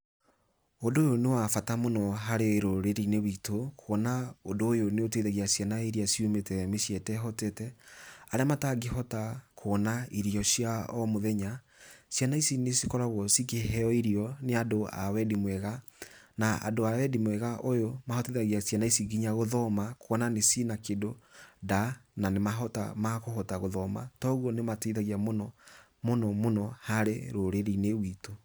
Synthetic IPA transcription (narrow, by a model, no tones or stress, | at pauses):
ondoːjonewafatamonɔɦaɾeɾoɾeɾinewitokʰwɔnaondoːjoneoteðaɣiasjanaiɾiasiumetɛmesjɛtɛɦɔtetɛaɾeamataɡeɦɔtakʰoːnaiɾiɔsjaɔmoðɛɲa | sjanaisinesikɔɾaɣwɔsik̬eɛɔiɾiɔneadoa̰wɛdimwɛɣanaa̰doawɛdimwɛɣaʔojomahɔtiðaɣiasjanaisiɡiɲaɣoðɔmakwɔnanesinakedodananemaɦɔta̰makoɦɔtaɣoðɔma̰tɔɣwɔnematiðaɣiamonɔ | monɔmonɔhaɾeɾoɾeɾinewiːto